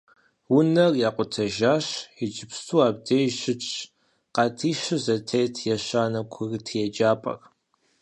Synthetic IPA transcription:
wʊnɐrjaːqʷʼʊtʰɐʒaːɕɛd͡ʒɪpstʰuːaːb̚deːjɕɪt͡ʃʰʼ | qɑtʰiːʃɨzɐtʰejtʰjɛɕaːnɐkʷʰʊrtʰjɛd͡ʒaːpʼɐ̰r

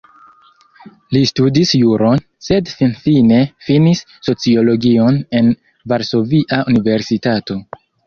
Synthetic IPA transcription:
listudisjuɾo̞n | se̞dfinfine̞finisːo̞t͡sio̞lo̞ɡio̞ne̞n | vaɾso̞viʔaunive̞ɾsitato̞

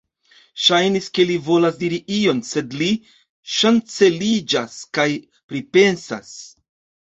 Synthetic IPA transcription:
ʃajniske̞livo̞lasdiɾiʔio̞nse̞dli | ʃant͡se̞lid͡ʒaskaj | pɾipe̞nsa̰s

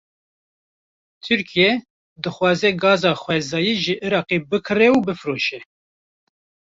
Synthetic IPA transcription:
t̪ʰɨɾkijɛ | d̪ɨxwɑːzɛɡɑːzɑːxʷɛzɑːjiːʒɨʔiɾɑːqebɨkʰɨrɛubɨfɾoːʃɛ

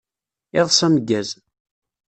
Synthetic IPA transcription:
ɪðˤsæməɡːæz

